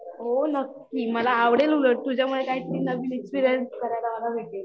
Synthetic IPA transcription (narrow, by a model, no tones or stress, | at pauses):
ɦonəkːiːməlaːʋɽeluləʈ̚t̪ud͡ʑjamuɭekaɦiːt̪əɾiːnəʋiːnekspiɾjənskəɾajlaməɡaʋʱeʈ̪e